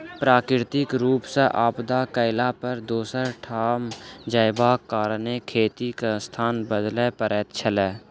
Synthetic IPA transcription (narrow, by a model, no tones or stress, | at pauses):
pɾaːkɾɪɾt̪ɪkɾuːpseʔaːpd̪akəɪlapəɾd̪oːsəɾʈʰaːmd͡ʒəjɪbakaːɾnekʰeːt̪ikest̪ʰaːnbəd̪lepəɾɛːt̪t͡ʃʰəleː